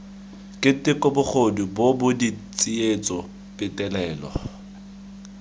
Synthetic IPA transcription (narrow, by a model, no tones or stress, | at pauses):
kʼɪtʼɪkʼʊbʊk͡xʰodibobʊdit͡sʼiet͡sʼɔ | pʼɪtʼɛlɛːlɔ̰